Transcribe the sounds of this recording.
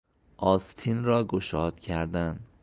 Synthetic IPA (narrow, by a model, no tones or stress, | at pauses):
ʔɒːst̪ʰinɾɒːɡoʃɒːd̪̥cʰæɾd̪æn